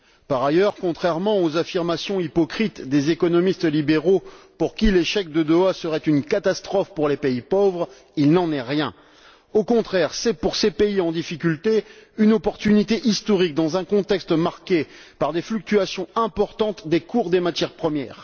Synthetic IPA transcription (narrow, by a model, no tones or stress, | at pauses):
paʁajœʁkɔ̃t̪χɛʁmɑ̃ozafiʁmasjɔ̃ipɔkχit̪d̪ezekɔnɔmist̪libeʁopuʁkʲileʃɛk̚d̪əd̪ɔasəʁɛt̪ynkat̪ast̪χɔfpuʁlepeipovʁ | ilnɑ̃nɛʁjɛ̃ | okɔ̃t̪χɛʁsɛpuʁsepeiɑ̃d̪ifikʲylt̪eynɔpɔʁt̪ynit̪eʔist̪ɔʁik̚d̪ɑ̃zɛ̃kɔ̃t̪ɛkst̪maʁkʲepaʁd̪eflyk̚t̪yasjɔ̃ɛ̃pɔʁt̪ɑ̃t̪d̪ekʰuʁd̪emat̪jɛʁpχəmjɛ̰ːʁ